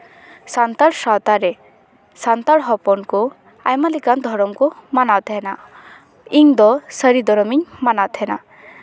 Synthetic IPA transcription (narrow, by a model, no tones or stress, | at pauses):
sant̪aɽsat̪aɾe | sant̪aɽɦɔpɔnku | a̰jmalikand̪ʱɔɾɔmkumanat̪ʰɛna | iŋd̪ɔsəɾid̪ɔɾɔmiɲmanat̪ʰɛna̰